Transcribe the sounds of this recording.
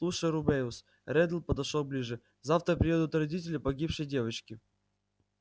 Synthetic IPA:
lˠuʂəjɾʊbejʊs | rɛd̪lˠpəd̪ɐʂok̚blʲiʐɨ | zaft̪ɾəpʲɾʲɪɛd̪ʊt̪rɐdʲitʲɪlʲɪpɐɡʲipʂɨjdʲe̞vət͡ɕkʲɪ

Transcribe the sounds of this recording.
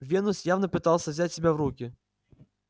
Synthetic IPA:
vʲinusʲjawnɐpɨt̪alˠsʲɐzʲat͡sʲsʲɛbʲɛwrukʲi

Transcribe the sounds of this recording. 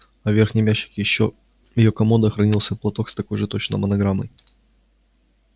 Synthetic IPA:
ɐvʲe̞rxnʲɪjmʲæɕːɪ̥kʲjɪɕːo | jɪjokɐmod̪əxɾɐnʲilˠsʲəplˠɐt̪o̞kst̪ɐko̞jʐɨt̪o̞t͡ɕnə̰jmənɐɡɾamə̰j

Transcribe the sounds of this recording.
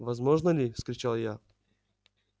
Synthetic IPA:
vɐzmoʐnəlʲɪfskɾʲɪt͡ɕalˠja

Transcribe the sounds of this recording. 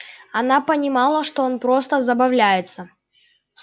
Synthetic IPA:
ɐnapənʲɪmɑlˠəʂt̪oonpɾo̞st̪əzəbɐvlʲæjɪt̪sə

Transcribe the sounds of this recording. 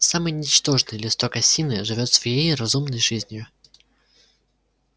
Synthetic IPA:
samɨjnʲɪt͡ɕt̪o̞ʐnɨjəlʲɪst̪okɐsʲinɨʐɨvʲo̞t̪svɐjejrɐzumnəjʐɨzʲnʲjʊ

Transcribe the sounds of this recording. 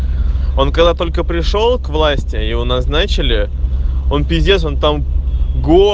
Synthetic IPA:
o̞nkɐɡd̪at̪o̞lʲkəpɾʲɪʂo̞lˠkvlˠasʲtʲɪjɪvonɐznat͡ɕɪlʲɪ | o̞npʲɪzʲdʲes̬o̞nt̪amɡo

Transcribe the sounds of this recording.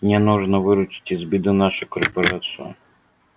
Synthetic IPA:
nʲɛnɔʒnɐʋɪɾʊt͡ʃɪ̥t̪ʲɪzʲbʲid̪ʊnɑʃʊkɔrpɔɾɑt͡s̪ijʊ̰

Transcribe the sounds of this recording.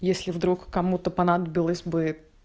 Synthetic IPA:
jesʲlʲɪvd̪ɾukːɐmut̪əpɐnad̪əbʲɪlˠəsʲbɨ

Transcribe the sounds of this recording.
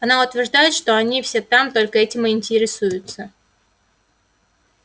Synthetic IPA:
ɐnaʊt̪vʲɪrʐd̪ajɪt̪ʂt̪o̞ɐnʲifsʲet̪amt̪o̞lʲkəɛtʲɪmɨɪnʲtʲɪɾʲɪsujʊt̪sə

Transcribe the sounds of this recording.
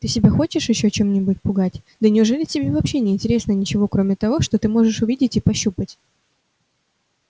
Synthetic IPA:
t̪ɨsʲɪbʲaxo̞t͡ɕɪʂjɪɕːot͡ɕe̞mnʲɪbʊtʲpʊɡatʲ | d̪ənʲɪʊʐɛlʲɪtʲɪbʲevɐpɕːe̞nʲɪɪnʲtʲɪɾʲe̞snənʲɪt͡ɕɪvo̞kɾo̞mʲɪt̪ɐvo̞ʂt̪o̞t̪ɨmo̞ʐɨʂʊvʲidʲɪtʲipɐɕːupətʲ

